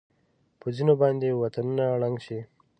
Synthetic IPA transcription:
pəzinobɑːnd̪ewat̪anunaːɽaŋɡʃi

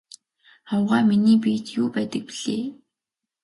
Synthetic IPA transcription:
χɔwʁaːminiːpiːt̪juːpæːt̪ə̆k̚pi̥ɮeː

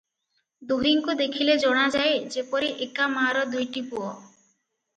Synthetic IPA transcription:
d̪oɦiŋkud̪ekʰiled͡ʒɔɽ̃ad͡ʒaed͡ʒepɔɾeʔekamaɾɔd̪ʱojʈipuɔ

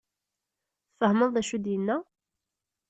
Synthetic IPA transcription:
fəhməðˤðæʃud̪jənːæ

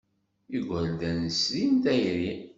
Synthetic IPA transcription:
iɡʷəld̪ænslint̪æjɾi

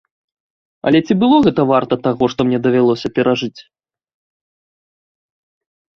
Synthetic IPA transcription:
ɐ̰lʲɛt͡sʲibɨlˠɔɣɛt̪ɐvart̪ɐt̪aɣɔʂt̪ɔmnʲɛd̪ɐvʲalˠɔsʲɐpʲɛɾaʐɨt͡sʲ

